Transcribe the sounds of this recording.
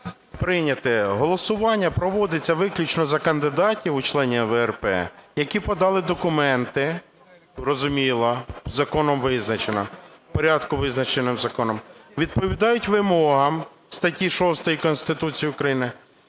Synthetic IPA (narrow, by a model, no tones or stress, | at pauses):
pɾɪnʲɐt̪ɪɦɔlˠɔsʊʋɑnʲːɐpɾɔʋɔd̪ɪt͡sʲːɐʋɪklʲʊt͡ʃnɔzɐkɐnd̪ɪd̪ɑtʲiwʊt͡ʃlˠɛnʲiʋɛrpɛ̰jɐkʲipɔd̪ɑlˠɪd̪ɔkʊmɛnt̪ɪ | rɔzʊmʲilˠɐzɐkɔnɔmʋɪznɐt͡ʃenɔpɔɾʲɑd̪kʊʋɪznɐt͡ʃenɪmzɐkɔnɔmʋʲid̪̚pɔʋʲid̪ɑjʊtʲʋɪmɔɦɐm | st̪ɐtʲiʃɔst̪ɔjikɔnst̪ɪt̪ut͡sʲijiʊkɾɐjinɪ